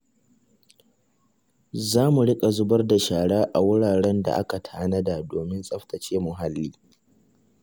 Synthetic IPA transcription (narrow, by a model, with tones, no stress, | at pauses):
zaː˦mu˨ɽɪ˦kʼa˨zʊ˦bɐ˦rda˨ʃaː˨ɽaː˦ʔa˨wʊ˦ɽaː˨ɽɛ˦nda̰˨ʔa˦ka˨tʰaː˦nɐ˦da˨doː˨mɪ˦nsʼɐ˦ɸtɐ˨t͡ʃeː˦mʊ˨ɦa˦lːiː˦